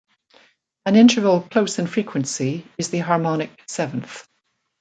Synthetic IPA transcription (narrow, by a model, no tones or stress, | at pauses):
ə̃nɪ̃ntʰə˞vəlˠkʰl̥osɪ̃nfɹikʰwə̃nsiɪzðəɦɑɹmɔnɪk̚sɛvə̃nθ